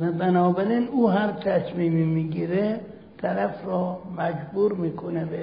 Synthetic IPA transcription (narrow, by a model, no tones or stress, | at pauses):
bænɒːbæɾiːnuːɦæmt̪ʰæsmiːmiːmiːɡiːɾe | t̪ʰæɾæfrɒːmæd͡ʒbuːɾmiːkʰonebe